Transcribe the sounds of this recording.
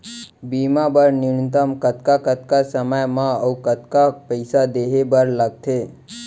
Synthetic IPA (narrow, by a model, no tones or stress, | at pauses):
bimabəɾnɪnt̪əmkət̪kakət̪̚kasəməjmãəukət̪kapəɪsad̪eɦebəɾləɡ̚t̪ʰe